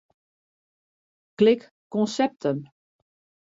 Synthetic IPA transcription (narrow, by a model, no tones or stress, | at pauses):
klɪk | kɔnsɛp̚tʰən